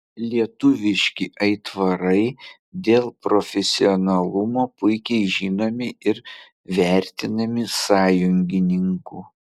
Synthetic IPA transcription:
lʲiɛt̪ʊʋʲɪʃʲkʲɪʔɐɪt̪ʋɐɾɐɪ | d̪ʲeːlˠpɾofʲɛsʲɪonɐlˠʊmoːpʊɪkʲɛɪʒʲiːnoːmʲɪɪɾ | ʋʲæɾʲt̪ʲɪnɐmʲɪsɑːjʊŋʲɡʲɪnʲɪŋkuː

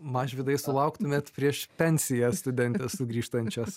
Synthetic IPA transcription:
mɑʒʲʋʲɪd̪ɐɪsʊlˠɐʊkt̪ʊmʲeɛːt̪pʲɾʲiɛʃpʲɛnʲsʲɪjɛsst̪ʊd̪ʲɛnʲt̪ʲɛssʊɡɾʲiːʃt̪ɐnʲt͡ʃʲɛs

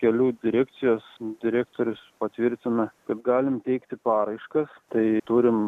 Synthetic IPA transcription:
kʲɛlʲuːd̪ʲɪɾʲæːkt̪sʲɪjoːsd̪ʲɪɾʲæːkt̪oːɾʲʊspɐt̪ʲʋʲɪɾʲt̪ʲɪnɐkɐt̪ɡɑːlʲɪmt̪ʲɛɪkt̪ʲɪpɑːɾɐɪʃkɐst̪ɐɪt̪uɾʲɪm

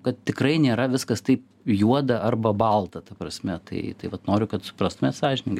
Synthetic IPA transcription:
kɐt̪̚t̪ʲɪkrɐɪnʲeːɾɐʋʲɪskɐst̪ɐɪp | juɔd̪ɐʔɐrbɐbɐlˠt̪ɐt̪ɐpɾɐsʲmʲɛt̪ɐɪt̪ɐɪʋɐt̪noːɾʲʊkɐt̪sʊ̥pɾɑːst̪ʊmʲeːt̪sɑːʒʲɪnʲɪŋɡɐ

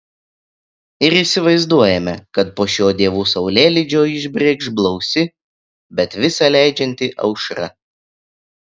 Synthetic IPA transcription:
ɪɾiːsʲɪʋɐɪzd̪uɔjɛmʲɛkɐt̪poːʃʲoːd̪ʲiɛʋuːsɐʊlʲeːlʲɪd͡ʒʲoːɪʒʲbʲɾʲeːkʒblˠɔʊsʲɪ | bʲɛt̪ʋʲɪsɐlʲæˑɪd͡ʒʲɛnʲt̪ʲɪʔɐ̰ʊʃɾɐ̰

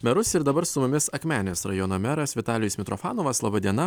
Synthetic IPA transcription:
mʲɛɾʊsɪɾd̪ɐbɐɾsʊmʊmʲɪsɐkʲmʲæːnʲesɾɐjoːnomʲæɾɐsʋʲɪt̪ɑːlʲɪjʊːsmʲɪt̪ɾʔofɑːnoːʋɐslˠɐbɐd̪ʲiɛnɐ

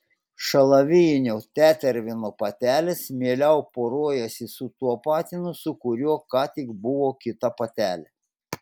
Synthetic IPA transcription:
ʃɐlˠɐʋʲɪjɪnʲoːt̪ʲæːt̪ʲɛɾʲʋʲɪnoːpɐt̪ʲæːlʲɪsmʲiɛlʲɛʊpoːɾoɔjɛsʲɪsʊt̪uɔpɑːt̪ʲɪnʊsʊkʊɾʲuɔkɑːt̪ʲɪɡbʊʋoːkʲɪt̪ɐpɐt̪ʲæːlʲɛ

